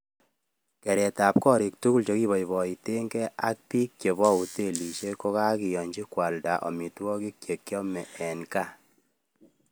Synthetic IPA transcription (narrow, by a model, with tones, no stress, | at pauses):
kɛ˨ɾɛ˨ta˨p̚kɔ˦ɾi˨k̚tu˦ku˦lt͡ʃo˦ki˦βɔ˨ibɔ˨ite˦ŋɡɛ˦ʔa˦k̚pi˦k̚ːt͡ʃe˨βɔ˦u˨te˦˨li˨ʃe˦ko˦ka˦ki˨jɔ˨ɲd͡ʒi˦kwa˨lda̰˨ʔɔ̰˨mi˨twɔ˦ki˦kje˨kjɔ˦mɛ˨ʔɛ˨nka˦˨